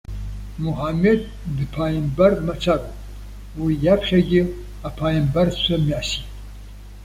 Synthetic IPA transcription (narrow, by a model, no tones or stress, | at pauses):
muħamed̪̚ː | ɨpʰaːjimbɐrmɐt͡sʷʰakʷʼ | wijapʰχʲɐɡʲɪ | apʰaːjimbɐrsʷʰɐmiasi